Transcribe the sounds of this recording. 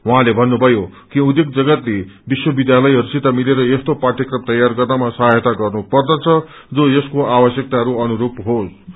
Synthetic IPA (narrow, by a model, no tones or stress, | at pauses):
wʌɦãlebʱʌnːubʱʌjokiud̪jekd͡zʌɡʌt̪lebiswʌbid̪jalʌjɦʌɾusit̪amileɾʌjest̪opaʈ̪ʰjʌkrʌmt̪ʌjarɡʌrnamasʌɦaɦʌt̪aɡʌrnupʌrd̪ʌt͡sʰʌ | d͡zojʌskoʔabʌsjʌk̚t̪aɦʌɾuʌnuɾubɦos